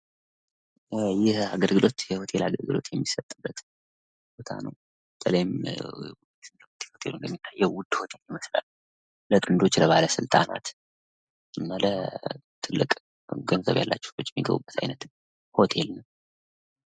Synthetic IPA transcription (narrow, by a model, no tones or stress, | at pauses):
jɪhaɡəlɡɨlʔo̞t̪jɛhot̪ʰe̞laɡəlɡɨlo̞̰t̪jɛmːisət̪ʼːɨbːət̪ | b̥ot̪ʰa̰nəw | bət̪ʼʰələjɪm | ht̪i̥ho̞t̪ʰe̞lunəmːit̪ʰːajːɛwʊd̪ho̞t̪ʰe̞ljɪməsla̰lː | lət̪ʼɨnd̪o̞t͡ʃːləβaləsɨlt̪ʼana̰t̪ | ʔɨnːalət̪ʰɨlːɨkʼ | ɡənzə̰βja̰lːat͡ʃːɛ̥wbʊt͡ʃʼːɛmːiɡəβṵbːət̪ʰa̰jnət̪ | ho̞t̪ʰe̞lnəww